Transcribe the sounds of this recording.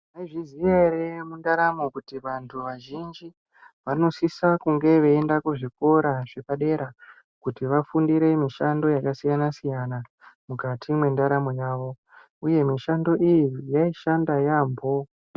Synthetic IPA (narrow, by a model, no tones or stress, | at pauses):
maiʐizieɾemundaɾamokutiʋantʰuʋaʒind͡ʒi | ʋano̞sisakuŋɡe̞ʋe̞endakuʐiko̞ɾaʐe̞paɗe̞ɾa | kutiʋafundiɾe̞miʃando̞jakasijanasijana | mukatʰimwe̞ndaɾamojaːʋo̞ | uje̞miʃando̞ʔijijaiʃandajaːmbo̞